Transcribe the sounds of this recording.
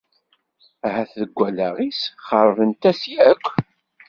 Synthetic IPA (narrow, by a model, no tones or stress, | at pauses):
æhæθðəɡʷːælæʁisχəɾˤəɾənt̪æsjækʷʰː